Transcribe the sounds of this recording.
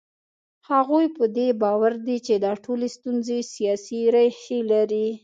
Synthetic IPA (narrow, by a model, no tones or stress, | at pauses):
haɣujpəd̪ebɑwaɾd̪it͡ʃed̪ɑʈʰolest̪unzesijɑsiɾajxelaɾi